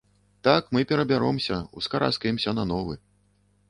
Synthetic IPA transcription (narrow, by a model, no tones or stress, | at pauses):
t̪akmɨpʲɛɾɐbʲaɾɔmsʲɐuskaɾa̰skɐjɛmsʲɐnɐnɔvɨ̰